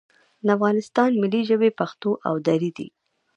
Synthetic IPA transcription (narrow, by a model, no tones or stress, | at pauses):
d̪afɣɑnɪst̪ɑnmɪliʒəbepaxt̪oʔa̰wd̪aɾid̪ḭ